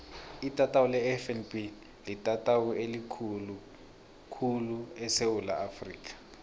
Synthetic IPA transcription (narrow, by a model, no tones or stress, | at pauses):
itʼatʼawulɛɛfɛnbi | litʼatʼawuelikʰulu | kʰuluɛsewula̰afriːkʼḁ